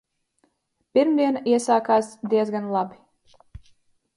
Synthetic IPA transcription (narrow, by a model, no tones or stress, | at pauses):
piɾmd̪iɛnaiɛsaːkaːsd̪iɛzɡanlˠabʲi